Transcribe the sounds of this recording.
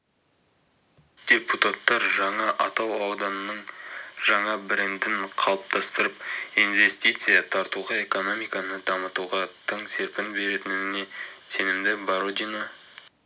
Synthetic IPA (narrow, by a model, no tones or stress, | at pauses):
d̪̥ʲe̞put̪at̪ːɑɾʒɑɴɑʔɑt̪ɑwɑwd̪ɑnənəɴʒ̥ɑɴɑbɪɾɪnd̪ɪŋqʰɑlˠəp̚t̪ʰɑst̪əɾəpinve̞st̪ijt̪sɨjat̪ʰɑɾt̪uʁɑe̞ko̞no̞mijkɑnəd̪ɑmət̪uʁɑt̪ʰəɴse̞ɾpɪnbe̞ɾet̪ɪnɪne̞se̞nɪmd̪ɪbaɾod̪ino